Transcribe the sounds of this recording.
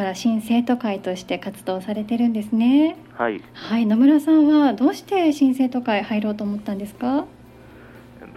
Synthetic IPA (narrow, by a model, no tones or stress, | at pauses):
aɾaɕĩɰ̃se̞ːt̪o̞kait̪o̞ɕi̥t̪e̞kat͡sɨd̪o̞ːsaɾe̞t̪e̞ɾɯ̟̃nd̪e̞sɨne̞ | hainomɯ̟ɾasãɰ̃βad̪o̞ːɕi̥t̪e̞ɕĩɰ̃se̞ːt̪o̞kaihaiɾo̞ːt̪o̞ːmo̞t̪ːãnd̪e̞sɨ̥ka